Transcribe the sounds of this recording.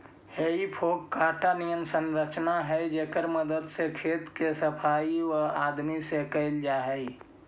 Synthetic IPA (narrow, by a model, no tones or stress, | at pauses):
jeipʰoːkkːaːʈanijənsə̃nɾət͡ʃnaɦɛd͡ʒeːkəɾməd̪əd̪sekʰeːt̪kesəpʰaːiwəaːd̪misekəɪld͡ʒaːɦɛi